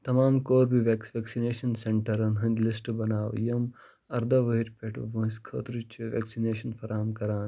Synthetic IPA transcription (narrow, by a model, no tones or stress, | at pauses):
t̪ɐmaːmkoːɾbʱiʋeksʋeːksineːʃɐnseɳʈɐɾɐnɦɐ̃nʲd̪ʲlisʈbɐnaːwjɐm | ɐɾd̪ɐʋɐɦiɾpʲeʈʰʋɐ̃skʰɐ̰ːt̪ɾut͡ʃʰiʋḛːksineːʃɐnfʰɐɾaːmkɐɾaːn